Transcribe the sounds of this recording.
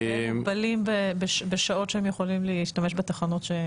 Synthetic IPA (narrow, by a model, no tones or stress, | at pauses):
ebalimbebeʃbeʃao̞tʃehemjeχo̞limleiʃtame̞ʃbet̪aχanotʃe